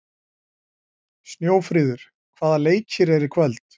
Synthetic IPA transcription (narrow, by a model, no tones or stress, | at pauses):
snjoːwfɾiːðʏɾ̥ | kʰv̥aːðaleːjcɪɾɛɾɪkʰvɛlt̪